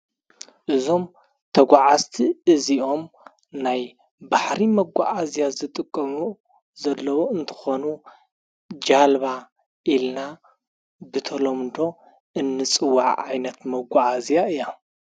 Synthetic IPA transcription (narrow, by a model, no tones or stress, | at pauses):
ʔɨzo̞m | t̪ʰɐɡʷaʕazt̪ʰiɨziʔo̞m | naj | baħɾimɐɡʷa̰ʔazjazɨt̪ʼɨkʼːɐmu | zɐlːɐwoɨnt̪ʰɨ̥xonu | d͡ʒalβa | ʔilna | bɨt̪ʰɐlomd̪o̞ | ʔɨnːɨt͡sʼɨwaʕʕajnɐt̪mɐɡʷaʔazijaɨjːa